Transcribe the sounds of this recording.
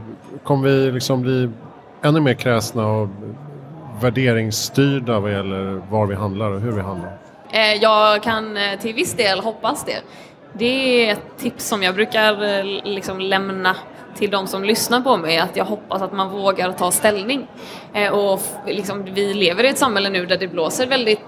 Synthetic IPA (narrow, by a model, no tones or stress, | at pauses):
kʰɔmːəvɪlɪksɔmbliː | ɛnːɵmeːɾkʰɾɛːsnaɔ | væɖeːɾɪŋst̪yːɖavajɛlːəɾvaɾvɪɦand̪laɾɔɦɵɾvɪɦand̪laɾ | jɑːɡkʰant̪ʰɪlvɪsd̪eːlɦɔpːasd̪ɛ̰ | d̪ɛɛt̪ʰːɪpsːɔmjɑːɡbɾʉ̟ːkaɾlɪksɔmlɛmna | t̪ʰɪld̪ɔmsɔmlʏsnaɾpʰɔmɛjat̪jɑːɡɦɔpːasat̪manvoːɡaɾt̪ʰɑːst̪ɛlnɪŋ | ɔlɪksɔmvɪleːvəɾɪɛt̪samhɛlːənʉ̟ːd̪æɖɛbloːsəɾvɛld̪ɪt̪